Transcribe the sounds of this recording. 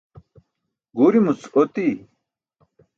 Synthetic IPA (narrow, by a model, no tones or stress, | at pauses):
ɡuɾimut͡sot̪i